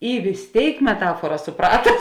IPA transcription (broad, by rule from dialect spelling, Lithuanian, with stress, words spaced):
ɪ ʋʲɪs ˈtʲeːɪk mʲɛˈtɑːfuɔrɐ sʊˈprɑːtɐ